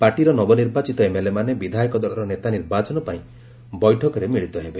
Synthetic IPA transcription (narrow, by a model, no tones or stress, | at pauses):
paʈiɾɔnɔbɔniɾbat͡ʃit̪ɔemelemanebid̪ʱajkɔd̪ɔɭɔɾɔnet̪aniɾbat͡ʃɔnɔpaĩ | bɔjʈʰɔkɔɾemiɭit̪ɔɦebe